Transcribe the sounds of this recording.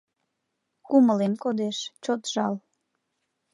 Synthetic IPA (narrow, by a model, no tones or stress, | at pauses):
kuməlemkod̪eʃt͡ɕot̪ʒɑl